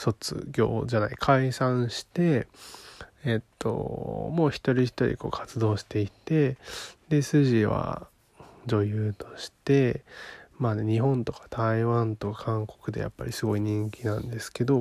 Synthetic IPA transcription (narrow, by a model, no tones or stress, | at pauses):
so̞t͡sɨ̰ɡʲo̞̰ːd͡ʑanaikʰaisãɰ̃ɕi̥t̪e̞ | t̪ːo̞̰mo̞ːçi̥t̪o̞ɾʲiçi̥t̪o̞ɾʲḭko̞̰ːkʰḁt͡sɨd̪o̞ːɕi̥t̪e̞it̪e̞d̪e̞sɨʑiβa̰ | d͡ʑo̞jɯːt̪o̞̥ɕi̥t̪e̞ | maːneɲ̟iɦõ̞nt̪o̞kḁt̪ʰaiβãnt̪o̞kakʰãŋko̞̥kɯ̟d̪e̞ja̰pːa̰ɾʲisɨɡo̞iɲ̟ĩŋkʲinãnd̪e̞sɨ̥ke̞d̪o̞